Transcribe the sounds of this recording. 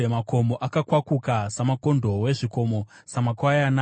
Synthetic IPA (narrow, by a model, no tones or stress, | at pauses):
emako̞moʔakakwakukasamako̞ndʱo̞we̞ʐiko̞mo̞ | samakwajana